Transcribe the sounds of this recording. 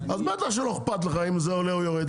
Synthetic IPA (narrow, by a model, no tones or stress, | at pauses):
azmeat̪laʃ̬eloχpat̪leχaimzeoleujoʁɛd̪